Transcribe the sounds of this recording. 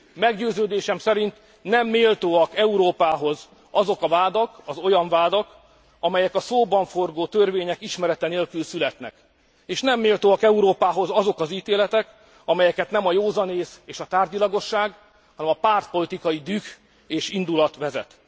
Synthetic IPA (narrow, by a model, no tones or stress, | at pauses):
mɛɡɟøːzøːd̪eːʃɛmsɛɾint̪ | nɛmːeːlt̪oːɒkɛuɾoːpaːɦo̞z | ɒzo̞kɒvaːd̪ɒkɒzo̞jɒɱvaːd̪ɒk | ɒmɛjɛkɒsoːbɒɱfo̞rɡoːt̪ørveːɲɛkiʃmɛɾɛt̪ɛneːlkylsylɛt̪nɛ̰k | eːʃnɛmːeːlt̪oːɒkɛuɾoːpaːɦo̞zɒzo̞kɒziːt̪eːlɛt̪ɛk | ɒmɛjɛkɛt̪nɛmɒjoːzɒneːseːʃɒt̪aːrd̪ilɒɡo̞ʃːaːɡ | hɒnɛmɒpaːrt̪po̞lit̪ikɒjid̪yk | eːʃind̪ulɒt̪ʋɛzɛ̰t̪